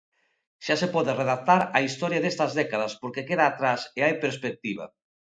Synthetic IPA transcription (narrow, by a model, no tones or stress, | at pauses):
ʃasepɔðereðak̚t̪aɾaist̪ɔɾjaðest̪ɐzðɛkað̞ɐspoɾkekeðaːt̪ɾaseajpeɾspek̚t̪iβa̰